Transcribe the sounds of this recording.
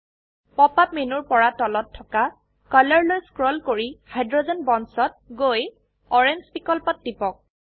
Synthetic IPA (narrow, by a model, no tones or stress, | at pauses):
pɔpap̚menuɹpɔɹatɔlɔtʰːɔka | kalɔɹlojskɹɔlkoɹihajdɹɔzɔnbɔnsɔt̚ɡoj | ɔɹenzbikɔlpɔtːipɔk̚